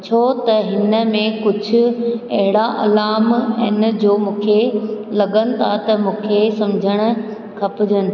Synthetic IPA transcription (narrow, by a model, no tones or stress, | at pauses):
t͡ɕʰoːt̪ɐɦɪnə̆mẽkʊd͡ʑʱʊ̆ɐɦɪɽaʔɐ̰laːmɪ̃ːnəd͡ʑoːmũːkʰelɐɠənɪ̆t̪ʰat̪ɐmũːkʰesɐmd͡ʑʱəɽ̃ʊ̆ | kʰɐpɪd͡ʑənɪ̆